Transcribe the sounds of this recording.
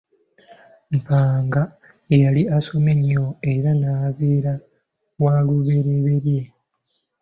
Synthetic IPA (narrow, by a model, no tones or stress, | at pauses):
m̩paːŋɡa | ejaliaso̞me̞ɲːo̞eɾanaːβeːɾa | ɣwaːluβe̞ɾeβe̞ɾje̞